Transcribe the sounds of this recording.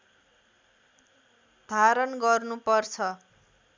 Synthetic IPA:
d̪ʱaɾʌnɡʌrnupʌrt͡sʰʌ

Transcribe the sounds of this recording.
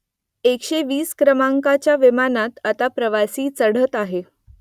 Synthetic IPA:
ekɕeʋiːskɾəmaŋkat͡ɕjaʋimanat̪at̪apɾəʋasiːt͡səɽ̤ət̪aɦe

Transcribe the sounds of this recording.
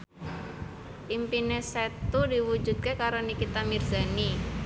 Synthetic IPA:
ʔimpineset̪udiwu̥d͡ʒṳd̪̥̚kekaɾonikit̪amirz̥ani

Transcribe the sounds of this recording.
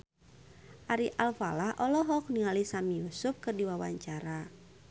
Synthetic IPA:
ʔaɾiʔalfa̰lahʔɔlɔɦɔk̚niŋalisamijusup̚kɨrdiwawa̰ɲt͡ʃaɾa

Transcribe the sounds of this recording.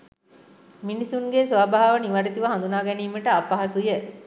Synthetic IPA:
minisuŋɡesʋaːbaɦaʋəniʋaɖit̪iʋəɦand̪unaːɡɛniːməʈəapaɦasujə

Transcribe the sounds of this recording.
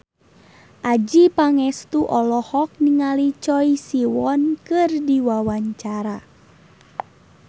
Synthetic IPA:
ʔad͡ʒipaŋɛst̪uʔɔlɔhɔk̚niŋalit͡ʃɔisiwɔnkɨrdiwawaɲt͡ʃaɾa

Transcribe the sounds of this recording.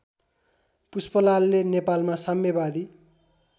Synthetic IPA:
puspʌlalːenepalmasamːebad̪i

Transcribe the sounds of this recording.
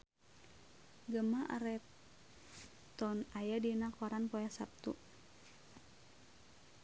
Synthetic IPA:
ɡəmaʔa̰ɾɛ | t̪ɔnajadinakɔɾanpɔjasap̚t̪ṵ

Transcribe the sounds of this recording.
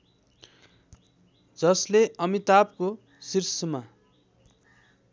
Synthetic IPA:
d͡zʌsleʔʌmit̪ap̚ko | sirsʌma

